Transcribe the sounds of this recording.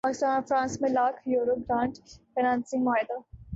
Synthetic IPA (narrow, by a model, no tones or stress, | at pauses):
paːkɪst̪ãːnfɾãːnsmẽlaːkʰjoːɾoɡɾãːɳʈfɪnãːnsɪ̃ŋmaːɪd̪a